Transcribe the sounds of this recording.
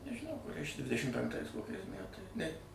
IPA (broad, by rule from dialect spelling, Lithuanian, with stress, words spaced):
nʲɛʒʲɪˈnɐʊ kʊˈrʲɛɪs t͡ʃʲɛ ˈdʲʋʲɪdʲɛʃʲɪm pʲɛŋkˈtɐɪs ˈkoːkʲɛɪs ˈmʲætɐɪ ˈnʲɛ